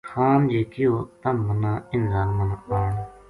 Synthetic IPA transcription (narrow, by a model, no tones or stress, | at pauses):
kʰaːnd͡ʒeːkɪoːt̪ɐmmənãːɪnzaːnmənaaːɳ